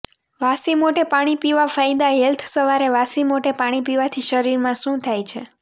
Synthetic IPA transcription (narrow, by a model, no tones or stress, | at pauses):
ʋasimoʈepaɽ̃ipiʋafajd̪aɦɛlt̪ʰsəʋaɾeʋasimoʈepaɽ̃ipiʋat̪ʰiʃəɾiɾmãʃũt̪ʰajt͡ʃʰḛ